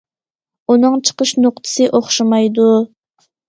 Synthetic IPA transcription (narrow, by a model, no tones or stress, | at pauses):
unɨŋt͡ʃʰə̥qəʃnoq̚t̪ʰɨ̥sɨʔoχʃɑmɑjd̪u